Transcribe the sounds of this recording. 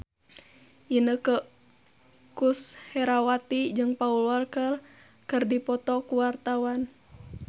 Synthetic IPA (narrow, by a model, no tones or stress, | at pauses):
ʔinəkə | kushɛɾawat̪id͡ʒɨŋpaulwarkər | kɨrdipɔt̪ɔkuwart̪awan